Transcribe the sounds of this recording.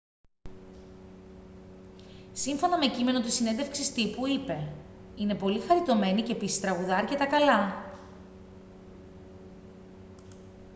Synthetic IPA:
siɱfo̞nɐme̞cime̞no̞t̪usine̞nðefksist̪ipuipe̞ | ine̞po̞lixɐɾit̪o̞me̞nice̞pisi̥st̪ɾɐɣuðɐɐɾce̞t̪ɐkɐlɐ

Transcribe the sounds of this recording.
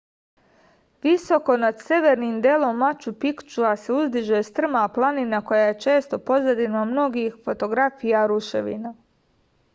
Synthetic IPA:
ʋiso̞ko̞nad̪se̞ʋeɾnimd̪elˠomːat͡ʃupikt͡ʃuaseuzd̪iʒest̪r̩maplˠaninako̞jaje̞t͡ʃe̞ːst̪o̞po̞zad̪inamno̞ɡixfo̞t̪o̞ɡɾafijaɾuʃeʋḭna

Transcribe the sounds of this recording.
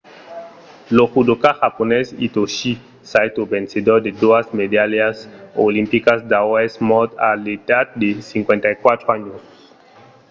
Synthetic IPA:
loxud̪okaxaponɛsḭt̪oʃi | sajt̪obẽnsed̪oɾd̪ed̪oazmed̪aljasolĩmpikasd̪awɛsmɔt̪a̰let̪at̪̚d̪esiŋkwẽnt̪ajkwat̪ɾoaɲos

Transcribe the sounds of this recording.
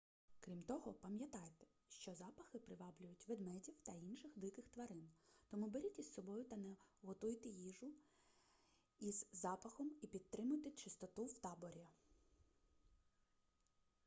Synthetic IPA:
kɾʲimt̪ɔɦɔpɐmʲjɐt̪ɑjt̪ɛ̥ | ʃt͡ʃɔzɑpɐxɪpɾɪʋɑblʲʊjʊtʲʋed̪mɛdʲiwt̪ɐinʃɪxʋ̪d̪ˠɪkɪxt̪ʋɐɾɪnt̪ɔmubeɾʲitʲissɔbɔjʊt̪ɐnɛɦɔt̪ujt̪ɪjiʒʊ | izːɑpɐxɔmipʲid̪̚t̪ɾɪmʊjt̪ɪt͡ʃɪst̪ɔt̪uwt̪ɑbɔɾʲi

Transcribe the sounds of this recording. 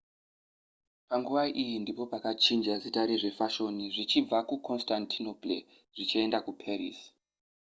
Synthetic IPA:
paŋɡuʋaʔijindipo̞pakat͡ʃind͡ʒazitaɾiʐe̞faʃo̞niʐit͡ʃib͡vakukʰo̞nstantʰino̞plḛ | ʐ̥it͡ʃie̞ndakupʰerḭs

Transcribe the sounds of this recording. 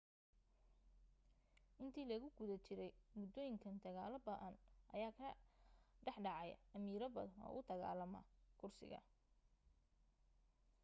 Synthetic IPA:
ʔɪnt̪ʰiːlɐɣʊɡ̥ʊðɐt͡ʃɪɾɛjmʊd̪ɔːjɪŋkʰɐnd̪ɐɣaːlɐbɐʔɐnʔɐjaːkʰɐ | ɖɛħɖɑʕɑj̰ɐmiːɾɐbɐðɐnɔ̰ʔʊd̪ɐɣa̰ːlɐmɐ̰kʰʊrsɪ̰ɣɐ̰

